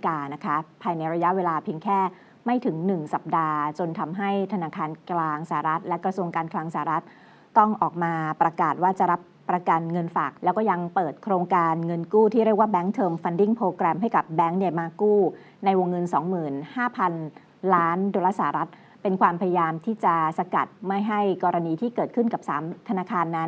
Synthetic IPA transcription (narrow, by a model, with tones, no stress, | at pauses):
kaː˧na˦˥kʰa˦˥pʰaː˧jna˧jɾa˧ja˦˥ʔweː˧laː˧pʰi˧əŋkʰɛː˥˩ | ma˥˩jt̪ʰɯ˩˦ŋnɯ˨˩ŋsa˨˩p̚daː˧t͡ɕo˧nt̪ʰa˧mɦa˥˩jt̪ʰa˧naː˧kʰaː˧nklaː˧ŋsaː˨˩a˨˩ɾa˦˥t̪̚lɛ˦˥kɾa˧su˧əŋkaː˧nklaː˧ŋsaː˨˩a˨˩ɾa˦˥t̪̚ː | ɔ˥˩ŋʔɔː˨˩k̚maː˧pɾa˧kaː˨˩t̪̚waː˥˩t͡ɕa˨˩ɾa˦˥pːɾa˧ka˧nŋɤ˧nfaː˨˩k̚lɛː˦˥wkɔː˥˩ja˧ŋpɤː˨˩t̪̚kʰɾoː˧ŋkaː˧nŋɤ˧nkuː˥˩t̪ʰiː˥˩ɾi˥˩k̚waː˥˩bɛː˦˥ŋt̪ʰɤː˧mfa˧ndi˥˩ŋpʰɾoː˧kɾɛː˧mɦa˥˩jka˨˩p̚bɛː˦˥ŋdi˧˩maː˧kuː˥˩ | na˧jwo˧ŋːɤ˧nsɔː˩˦ŋmɯː˨˩nhaː˥˩pʰa˧n | laː˦˥ndo˧laː˥˩saː˨˩a˨˩ɾa˦˥t̪̚ | pe˧nkʰwaː˧mpʰa˧ja˧jaː˧mt̪ʰiː˥˩t͡ɕa˨˩sa˧ka̰˨˩t̪̚ma˥˩jɦa˥˩jkɔː˧ɾa˧niː˧t̪ʰiː˥˩kɤː˨˩t̪̚kʰɯ˥˩nka˨˩p̚saː˩˦mt̪ʰa˧naː˧kʰaː˧nːa˦˥n